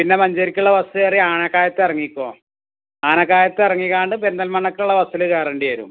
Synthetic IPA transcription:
pinːe̞mɐɲd͡ʑɐɾikʲːuɭːɐʋɐsueːriaːɳɐkːaːjɐt̪ːɨɐrɐŋːikʲːoː | aːnɐkːaːjɐt̪ːɨɐrɐŋːiɣaːɳɖɨpend̪ɐlmɐɳːɐkːɐluɭːɐʋɐsilɨkeːrɐɳɖiɐɾṵm

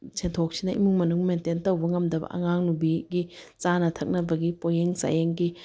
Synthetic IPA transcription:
t͡ʃʰentʰok̚sinɐʔḭmuŋmɐnuŋmententɐwbɐŋɐmdɐbɐ̰ʔɐ̰ŋaŋnubiɡit͡ʃanɐtʰɐk̚nɐbɐɡipojeŋsa̰jeŋɡi

